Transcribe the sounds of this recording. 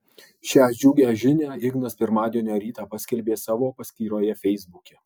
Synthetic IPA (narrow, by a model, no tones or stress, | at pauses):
ʃʲæːd͡ʒʲuːɡʲæːʒʲɪnʲæːɪɡnɐspʲɪɾmɑːd̪ʲeɛnʲoːɾʲiːt̪ɑːpɑsʲkʲɛlʲbʲeːsɑːʋoːpɐsʲk̪ʲiːɾoːjɛfʲɛɪzbʊkʲɛ